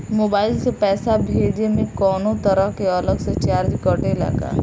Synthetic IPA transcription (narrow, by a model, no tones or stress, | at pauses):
moːbaːɪlsepɛːsabʱeːd͡ʒemẽkɔːnõt̪ɐɾəɦkeɔləkset͡ʃaːɾd͡ʒkɔːɾʈẽla̰ːɡa̰ː